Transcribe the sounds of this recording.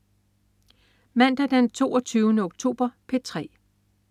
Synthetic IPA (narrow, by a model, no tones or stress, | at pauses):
mæn̰d̥æd̥ent͡sʰo̝̰ːɒt͡sʰyːʊnəɔ̽ɡ̥̚t͡sʰo̝̰ːb̥ɐpʰe̝t͡sʰʁɛ̰ː